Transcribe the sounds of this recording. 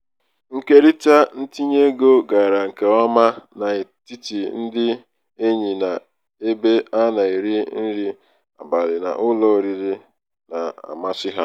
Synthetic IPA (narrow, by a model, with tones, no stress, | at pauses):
ŋ̩˦ke˦ɾi˦ta˦n̩˦ti˦ɲe˦ɡo˦ɡa˨ɾa˨ŋ̩˨ke˨a˦ma˦na˨e˨ti˦ti˨n̩˦dɪ˦ | e˦ɲi˨na˨ | e˦be˦a˦na˨i˨ɾi˦n̩˦ɾi˦ | a̰˨ba˨lɪ˨na̰˨ʔʊ˦lɔ˦˨ɾi˨ɾi˦ | na˨a̰˨ma˦sɪ˦ɦa˦